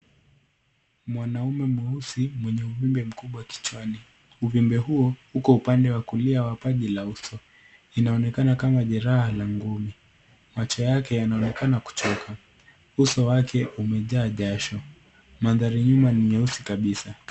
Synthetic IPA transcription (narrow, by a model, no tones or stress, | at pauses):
mwanaumɛmwɛusimwɛɲɛuvimbɛm̩kuɓwaki̥t͡ʃwani | uvimbɛhuɔhukɔupandɛwakuliawapaʄilausɔ | inaɔnɛkanakamaʄɛɾahalaŋɡumi | mat͡ʃɔjakɛjanaɔnɛkanaku̥t͡ʃɔka | usɔwakʰɛʔumɛʄaːʄaʃɔ | manðaɾiɲumanimɛusikaɓisa